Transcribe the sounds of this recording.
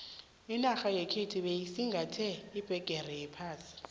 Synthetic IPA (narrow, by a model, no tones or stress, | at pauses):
inaxajɛkʰetʰiɓeisiŋɡʱatʰɛːb̥ʱɛɡ̥ʼʱɛrɛjɛpʰaːsi̥